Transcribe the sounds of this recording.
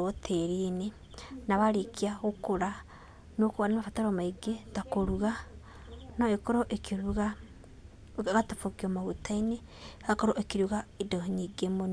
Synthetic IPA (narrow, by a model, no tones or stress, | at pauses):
otʰeɾine | naβaɾekiaɣokoɾa | nokoɣanamafataɾɔmaiɡetakoɾuɣa | naekoɾoʔekeɾuɣa | ɣatafokiɔmaɣutaine | akoɾoʔekiɾuɣaedoɲiɡemon